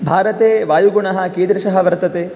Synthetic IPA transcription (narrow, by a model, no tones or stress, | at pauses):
bʱaːɾɐt̪eːʋaːjuɡuɳɐɦɐkeːd̪ɾɐʃɐɦɐʋɐɾt̪ɐt̪eː